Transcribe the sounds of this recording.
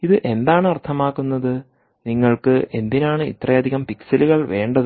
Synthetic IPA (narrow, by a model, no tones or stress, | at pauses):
iðɨʔe̞nd̪aːɳɨɐrt̪ʰɐmaːkːunːɐðɨ | niŋːɐɭkɨʔe̞nd̪inaːɳɨḭt̪rɐjɐd̪ʱiɣɐmpiksɐluɣɐɭʋe̞ːɳɖɐðɨ